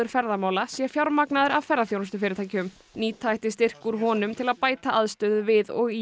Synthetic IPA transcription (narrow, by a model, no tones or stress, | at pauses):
ʏɾ̥fɛɾðamaːwlasjɛfjawɾmaknaðɪɾavfɛɾrːaθjownʏst̪ʏfɪɾɪt̪ʰajcʏm | niːt̪ʰajht̪ɪst̪ɪr̥kuɾ̥ɦɔːnʏmt̪ʰɪlaðpaːjt̪aʔaðst̪ʏðʏvɪðɔ̰ɣi